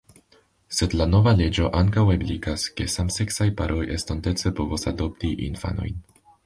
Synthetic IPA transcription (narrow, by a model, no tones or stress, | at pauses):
se̞dlano̞vale̞d͡ʒo̞ʔaŋkawe̞blikaske̞samse̞ksajpaɾʔoje̞stonte̞t͡se̞po̞vosa̰do̞p̚tiʔḭnfa̰no̞̰jn